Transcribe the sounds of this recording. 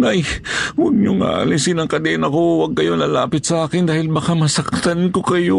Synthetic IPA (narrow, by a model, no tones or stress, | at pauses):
najwɐɡ̚ɲʊŋa̰lɪnsɪnɐŋkɐd̪ɛʔnɐkowɐɡ̚kɐjolɐlaːpɪt̪̚sɐʔaːkɪnd̪aːhɪlbakamɐsɐk̚t̪ankokɐjo